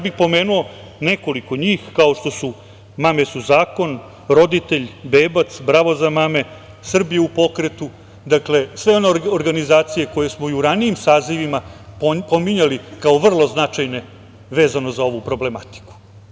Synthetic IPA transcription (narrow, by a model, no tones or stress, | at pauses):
jabixpo̞me̞ːnuo̞ | ne̞ko̞liko̞ɲiːxkaoʃt̪o̞su | mame̞suzaːko̞n | ɾo̞d̪it̪e̞ʎbeːbat̪sbɾaʋo̞zamame̞ | sr̩bijeupo̞kɾe̞t̪u | d̪akle̞sʋe̞o̞neoɾɡanizaːt̪sije̞ko̞je̞smoiuɾanijimsaːziʋimapo̞miɲalikao̞ʋr̩lˠo̞znat͡ʃajne̞ | ʋe̞ːzano̞zao̞ʋupɾo̞ble̞mat̪i̥ku̥